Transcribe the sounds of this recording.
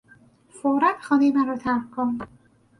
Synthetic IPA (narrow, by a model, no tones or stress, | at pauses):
foɾæt̪xɒːnejemænɾɒːt̪ʰæɾfkʰon